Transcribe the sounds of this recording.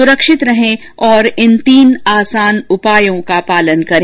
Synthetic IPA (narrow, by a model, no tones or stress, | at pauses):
ʊɾəkʃɪt̪ɾɐɦẽ | ɔːɾɪnt̪iːnaːsaːnʊpaːjõkapaːlənkɐɾ